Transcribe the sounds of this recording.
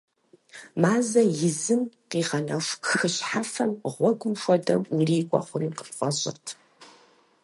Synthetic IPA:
maːzɐjɪzɨmqiːʁɐnɐʂʷxɨɕħafɐmʁʷɔɡʷʊmʃʷɔdɐwiriːɡʷʼɔ̰χʷʊniːqəpqʷɐɕʼɪ̰rtʰ

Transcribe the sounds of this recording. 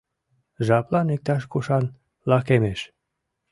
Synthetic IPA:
ʒɑplɑnek̚t̪ɑʃkoʃɑn | lɑkemeʃ

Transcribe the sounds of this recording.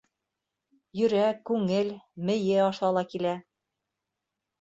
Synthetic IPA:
jɵ̆ɾækʉŋɘlmɘ̆jɘɑʃɑlˠɑkilæ

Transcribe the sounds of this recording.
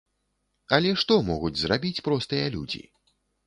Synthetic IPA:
ɐlʲɛʂt̪ɔmɔɣud͡zʲzrabʲit͡sʲpɾɔst̪ɨjɐlʲṵd͡zʲḭ

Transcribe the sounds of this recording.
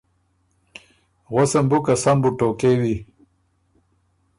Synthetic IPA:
ɣosɐmbukɐsɐmbuʈoːkewi

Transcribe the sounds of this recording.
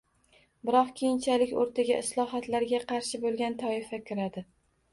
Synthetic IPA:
bɪɾɒqkʲʰejɪnt͡ʃʰalɪkʲo̰ɾt̪ʰaɡʲaʔɪslˠɒɦat̪laɾɡʲaqʰɑɾʃɪbolˠɡʲant̪ʰɒɪfakʲʰɪɾad̪ɪ

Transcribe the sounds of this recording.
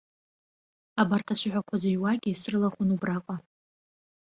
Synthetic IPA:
abartʰat͡ɕʷʰaħʷᶣakʷʰazajwaɡʲisrɨlaχʊnubrakʷʼa

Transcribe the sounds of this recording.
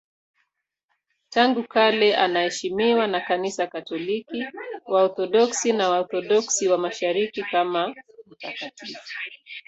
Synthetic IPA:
taŋɡukalɛʔanahɛʃimiwanakanisakatɔlikiwaɔθɔɗɔksinawaɔθɔɗɔksiwamaʃaɾikikamam̩takatʰifu̥

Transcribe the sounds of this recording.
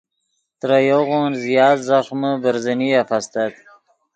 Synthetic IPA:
t̪ɾajoɣonzijɑːt̪zaxməbəɾzəniafast̪at̪

